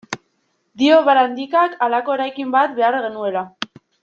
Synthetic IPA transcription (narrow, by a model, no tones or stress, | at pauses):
d̪io̞βaɾand̪ikakalako̞eɾajkimbat̪be̞aɾɣe̞nue̞la